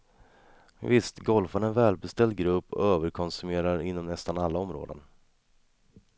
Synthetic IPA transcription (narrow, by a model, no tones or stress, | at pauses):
vɪst̪ɡɔlfanɳɛnvɛːlbɛst̪ɛld̪̚ɡɾɵpːɔ̰øːvəɾkʰɔnsɵmeːɾaɾɪnːɔmnɛst̪analːaɔmɾo̰ːd̪ə̰n